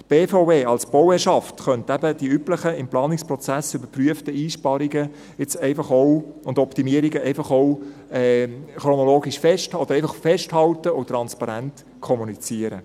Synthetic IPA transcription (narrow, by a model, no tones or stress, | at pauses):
tb̥eːfoʊveːɑlsb̥ɔwɛːʃɑftχœntæbəd̥iypləχəɪmplɑːnɪkspɾɔt͡sæsʏbəɾpryəftəiːʃpɑɾiɡə | ɪt͡sɛɪfɑχɔwʊndɔptimiəɾiɡəɛɪfɑχɔʊɛːχɾonɔloːɡiʃfɛʃtɔd̪əɾɛɪfɑχfɛʃthɑltəʊt̪ːɾɑnspɑɾænt | kʰɔmunit͡siəɾə̰